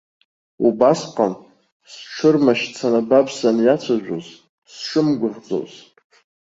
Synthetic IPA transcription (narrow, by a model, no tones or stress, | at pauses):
ubasqʼan | sʈ͡ʂʷʰɨrmaʃt͡sʰanabapʰsanjat͡sʷʰaʒʷᶣoz | sʂʷɨmɡʷʊʁd͡zo̰z